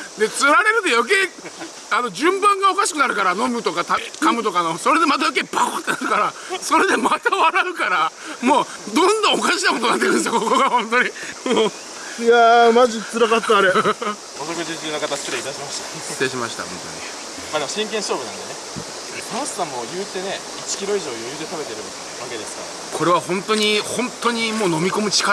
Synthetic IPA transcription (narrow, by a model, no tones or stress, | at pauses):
d̪e̞t͡sɨɾaɾe̞ɾɯ̟t̪e̞jo̞k̬e̞ː | ano̞d͡ʑɨ̃mbãŋɡaokaɕi̥kɯ̟naɾɯ̟kaɾano̞mɯ̟t̪o̞kat̪akamɯ̟t̪o̞kanoso̞ɾe̞d̪e̞mat̪̬ajok̬ebat̪ːenaɾɯkaɾaso̞ɾe̞d̪e̞mat̪aβaɾaɯ̟kaɾa | mo̞ː | d̪õ̞nd̪õokaɕinakot̪onat̪ːekɯ̃s̬ijokkokoɡahõ̞nt̪o̞ɲ̟imo | jamaʑit͡sɨɾakat̪ːaːɾe | ot̪okɯt̪ek̪iɯnakat̪asɨ̥k̪et̪eit̪aɕimaɕi̥t̪a | t̪eːɕ̬imaɕi̥t̪a̰hõnt̪o̰ɲ̟ḭ | mad̪emoɕĩŋkẽsoːbɯnã̰nd̪ene̞ | pãsɨ̥sãmːojɯːt̪e̞ne̞ | it͡ɕi̥kʲiɾo̞iʑo̞ːjɯjɯ̟ːt̪e̞t̪abe̞t̪eɾɯ̟ | βake̞d̪e̞sɨ̥ka̰ɾa | kʰo̞ɾe̞βahõ̞nt̪o̞ɲ̟ihõnt̪ːoɲ̟imoːno̞mʲiko̞mɯ̟t͡ɕi̥ka